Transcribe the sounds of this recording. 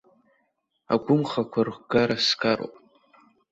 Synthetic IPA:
a̰ɡʷʊmχakʷʰarʷɡ̥aɾaskʰaɾo̰pʼ

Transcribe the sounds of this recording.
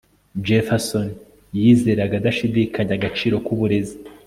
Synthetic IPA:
d͡ʒefason | jiːze̞ːɾaɡadaʃidikʰaɲaɡat͡ʃiːɾo̞kuβuɾe̞zi

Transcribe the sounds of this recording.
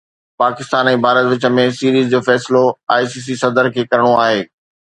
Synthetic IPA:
paːkɪst̪aːnɛ̃ːbʱaːɾət̪ʋɪt͡ɕə̆mẽsiːɾiːzd͡ʑoːfɛːsɪloaːjsiːs̬isɐd̪əɾkʰeːkɐɾɪɽ̃oaːɦeː

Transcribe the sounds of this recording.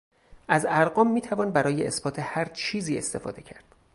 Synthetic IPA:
ʔæzæɾɢɒːmːiːt̪ʰævɒːnbæɾɒːjeʔesbɒːt̪ʰehæɾt͡ʃʰiːziːe̞st̪e̞fɒ̰ːd̪e̞cʰæɾd̪̥

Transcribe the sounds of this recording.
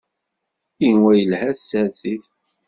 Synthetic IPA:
inwæjəlhæsːæɾθiθ

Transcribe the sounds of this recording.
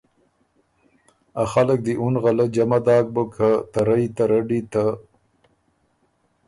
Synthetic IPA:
axalək̚d̪iʔunɣalad͡ʒamad̪ɑːk̚bəkʰat̪aɾajt̪aɾaɖit̪a

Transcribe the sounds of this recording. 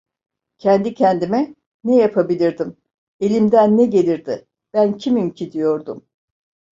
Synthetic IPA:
cʰɛnd̪icʰɛnd̪imɛ | nɛjapʰabilʲiɾd̪im | e̞lʲimd̪ænːɛɟe̞lʲiɾd̪ɪ | b̥æncʰimimcʰid̪ijo̞ɾd̪um

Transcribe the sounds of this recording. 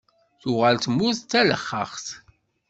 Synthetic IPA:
θʊʁəlt̪mːuθt͡s̪ːæləχːə̰χθ

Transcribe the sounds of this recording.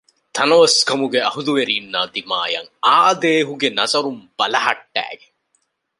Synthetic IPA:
t̪ʰɐnɐʋɐskɐmuɡeɐɦud̪uʋeɾiːnːaːd̪ima̰ːjɐ̰ŋaːd̪eːɦuɡenɐzɐɾumb̥ɐlɐɦɐ̰ʈːæ̰ːɡe

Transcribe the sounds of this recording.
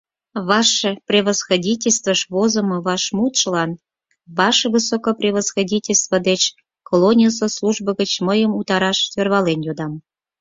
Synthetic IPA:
βɑʃeprʲeβəsxodʲitʲelʲst̪vəʃβozə̆mɤ̆βɑʃmut̪ʃəlɑn | βɑʃeβɨsokoprʲeβəsxodʲitʲelʲst̪vəd̪et͡ɕ | kolonʲijəs̬oslˠuʒbəɣət͡ɕməjəmut̪ɑɾɑʃt̪ørβɑlenjod̪ɑm

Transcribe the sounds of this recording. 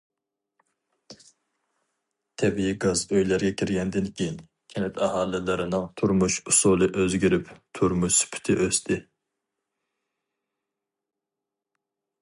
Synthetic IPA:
t̪ʰɛbijiɡɑzøjlæɾɡʲɛkʲʰiɾɡʲɛnd̪ɪnkʲʰejin | kʲʰɛnɛt̪ʰɑhɑːlˠɪlɨɾɪnɨŋt̪ʰuɾmuʃusulˠɨʔøzɡʲiɾɪpt̪ʰuɾmuʃsy̥pʰɪ̥t̪ʰɪ̰ʔøst̪ʰɪ

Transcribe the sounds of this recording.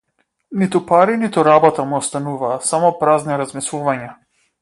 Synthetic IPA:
nit̪upaɾinit̪uɾabɔt̪amuɔst̪anuvaːsamɔpɾazniɾazmislˠuvaɲa

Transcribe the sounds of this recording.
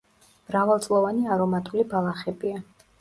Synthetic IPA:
mɾavalˠt̪sʼlˠɔvaniaɾɔmat̪ʼulibalˠaχɛbia

